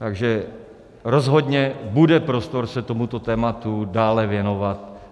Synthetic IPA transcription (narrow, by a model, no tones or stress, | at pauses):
t̪aɡʒɛ | ɾo̞zɦo̞dɲɛbudɛpɾost̪o̞ɾsɛt̪omut̪o̞t̪ɛːmat̪udaːlɛvjɛno̞vat̪̚